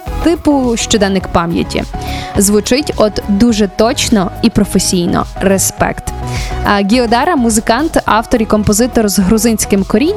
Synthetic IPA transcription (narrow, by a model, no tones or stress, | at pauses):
t̪ɪpʊʃt͡ʃɔd̪ɛnːɪkpɑmʲjɐ̰tʲḭzʋʊt͡ʃɪtʲɔd̪d̪uʒɛt̪ɔt͡ʃnɔipɾɔfesʲijnɔ̰ɾespɛ̰kt̪ | ɡʲiɔd̪ɑɾɐmʊzɪkɑnt̪ɑwt̪ɔɾikɔmpɔzɪt̪ɔrzɦɾʊzɪnʲsʲkɪmkɔɾʲinʲ